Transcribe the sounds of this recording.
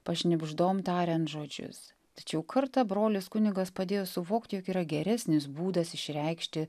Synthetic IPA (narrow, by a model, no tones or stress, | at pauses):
pɐʃʲnʲɪbʒd̪oːmt̪ɑːɾʲɛnt̪ʒoːd͡ʒʲʊ̰s | t̪ɐ̥t͡ʃʲɛʊkʰɐɾt̪ɐbɾoːlʲɪskʊnʲɪɡɐspɐd̪ʲeːjoːsʊʋoːkt̪ʲjoːkiːɾɐɡʲɛɾʲɛsʲnʲɪsbuːd̪ɐsɪʃʲɾʲɛɪkʃʲt̪ʲɪ